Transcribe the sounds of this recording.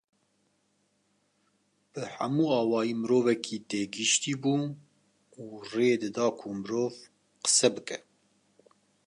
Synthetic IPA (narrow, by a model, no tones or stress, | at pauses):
b̥ɨħæmuːɑːwɑːjiːmɨɾoːvɛkʰiːt̪eːɡɨʃt̪iːbuː | uːreːd̪ɨd̪ɑːkʰumɨɾoːv | qə̥sɛbɨkɛ